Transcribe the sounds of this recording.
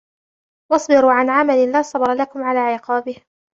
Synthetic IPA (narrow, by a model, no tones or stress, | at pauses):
wɑsˤbɪɾuːʕanʕamalɪlaːsˤɑbɾˤɑlakʊmʕalaːʕɪqɑːbɪh